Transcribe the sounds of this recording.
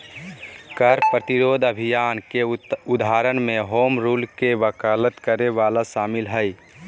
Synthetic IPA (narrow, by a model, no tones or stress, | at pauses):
kəɾpɾət̪ɪɾoːd̪ʱəbʱijaːnkeʊd̪ʱaːɾənmẽɦoːmɾuːlkebəkaːlət̪kəɾeʋaːlaʃaːmɪlɦəi